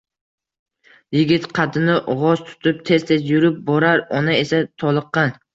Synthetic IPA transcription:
jɪɡʲɪt̪qʰɑt̪ʰɪnɪʔɒʁɒzt̪ʰʊ̥t̪ʰɪp̚t̪ʰe̞zt̪ʰe̞zjʊɾɪp̚bɒɾaɾɒnae̞sat̪ʰɒlˠɨqːɑn

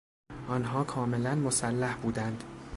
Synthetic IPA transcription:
ʔɒnɦɒːkʰɒːme̞lænmosælːæhbuːd̪ænd̪̥

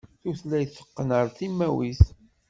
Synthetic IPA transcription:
θuθlæjθə̥qːnəɾˤθimːæwiθ

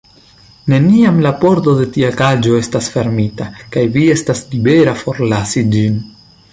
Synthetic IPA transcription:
ne̞niamlapo̞ɾto̞de̞tiakad͡ʒo̞e̞stasfe̞ɾmitakajvie̞staslibe̞ɾafo̞ɾlasid͡ʒin

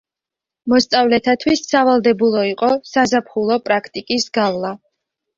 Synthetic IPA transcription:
mɔst̪sʼavlɛt̪ʰat̪ʰwisːavalˠd̪ɛbulˠɔiqʼɔsazapʰχulˠɔpʼɾakʰt̪ʼikʼisɡavlˠa

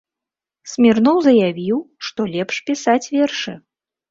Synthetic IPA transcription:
sʲmʲirnɔwzɐjavʲiwʂt̪ɔlʲɛpʂpʲisat͡sʲvʲɛrʂɨ

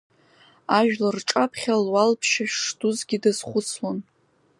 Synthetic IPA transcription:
aʒᶣlarʈ͡ʂʼapʰχʲalwalpʰʃaʂtʰuzɡʲidazχʷʊt͡sʰlon

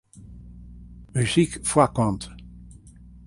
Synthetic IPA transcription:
myzikfwakɑ̃nt̪

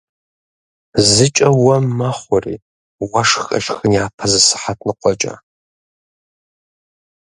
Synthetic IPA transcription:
zɨt͡ʃʼɐwɐmːaχʷɔrḭ | waʂxʼɐ̰ʃxɨnjaːpʰɐzɨsɨ̥ħatʰnɨqʷʼɔt͡ʃʼɐ̰

